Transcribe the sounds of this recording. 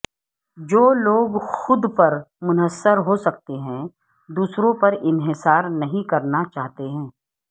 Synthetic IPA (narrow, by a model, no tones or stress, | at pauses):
d͡ʒoːloːɡxʊd̪pɐɾmʊnəsːəɾɦosɐk̚t̪eɦɛ̃ | d̪uːsɾõpɐɾɪnɦɪsaːɾnɐɦĩkɐɾnat͡ʃaːɦt̪eɦɛ̃ː